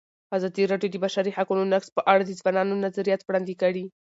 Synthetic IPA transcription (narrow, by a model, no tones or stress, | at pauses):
azɑd̪iɾɑɖjod̪əbaʃaɾihakunonakspəʔaɽad̪əzwanɑnonazaɾijat̪wɽɑnd̪ikaɽi